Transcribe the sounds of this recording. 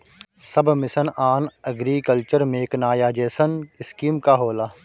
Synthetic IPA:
sɐbmɪsənaːnɐɡɾikəlt͡ʃəɾmẽːknaːjaːd͡ʒeːsənɪskiːmkaɦoːlaː

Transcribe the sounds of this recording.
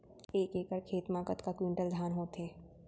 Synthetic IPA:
eːkeːkəɾkʰeːt̪mãːkət̪kakwɪ̃ɳʈəld̪ʱaːnɦoːt̪ɦeː

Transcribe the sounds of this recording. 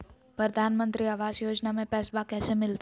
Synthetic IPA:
pɾəd̪ʱaːnmə̃nt̪ɾiaʋaːd͡ʒjoːd͡ʒnamẽpɛːsbakɛːsemɪlt̪

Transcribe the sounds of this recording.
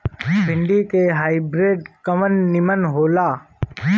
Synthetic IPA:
bʱɪ̃ɳɖikeɦaːɪbɾeːɖkəmənːɪmənɦoːlaː

